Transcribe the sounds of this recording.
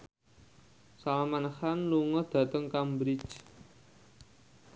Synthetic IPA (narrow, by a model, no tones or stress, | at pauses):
salamanxanluŋɔd̪̥ä̤t̪əŋkambɾi̥t͡ʃ